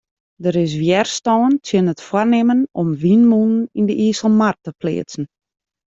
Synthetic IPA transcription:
dəɾɪs̬ʋjɛrstɔːntʰjənətfwarnɪmənɔmʋinmunnindəʔiːsəl̩ˠmartəplɪ̰ːsn̩

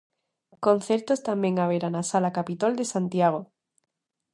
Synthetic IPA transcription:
kõn̟θeɾt̪ost̪amjeŋaβeɾanasalakapit̪old̪esant̪jaɣ̞o

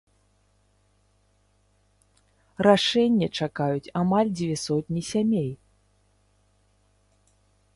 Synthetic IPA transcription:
raʂɛnʲːɛt͡ʂakajut͡sʲamalʲd͡zʲvʲɛsɔt̪ʲnʲisʲamʲej

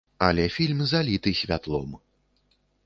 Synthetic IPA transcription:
ɐlʲɛfʲilʲmzalʲit̪ɨsʲvʲat̪lˠɔ̰m

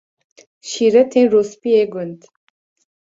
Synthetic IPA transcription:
ʃiɾɛt̪ʰenɾospieɡʊnt̪

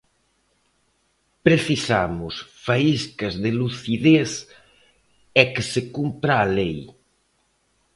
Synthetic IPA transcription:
pɾeθisamʊsfaiskɐzðɪluθiðeθ | ɛkɪsɪkumpɾaːlej

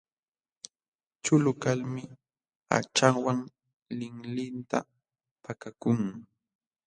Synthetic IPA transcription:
t͡ʃʊlʊkalmɪ | a̰t͡ʃawaŋ | lɪŋlɪnt̪a̰ | pakakʊŋ

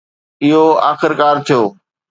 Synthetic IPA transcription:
ɪɦoa̰ːxɪɾkaːɾt̪ʰijoː

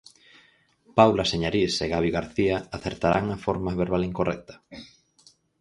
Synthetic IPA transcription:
pawlaseɲaɾiseɣaβ̞ioɣaɾθiaaθeɾt̪aɾaŋafoɾmaβeɾβaliŋkorʔɛk̚t̪ɐ̥

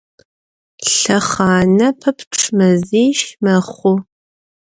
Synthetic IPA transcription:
ɬɐχɑːnɐpʰɐpʰʈ͡ʂʰmɐziːʃmɐχʷʊ

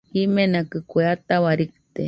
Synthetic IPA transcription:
imenakɨkʷeat̪awaɾik̚t̪e

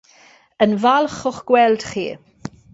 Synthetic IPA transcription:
ənvalˠχʊχɡ̥wɛlˠd̥χḭː

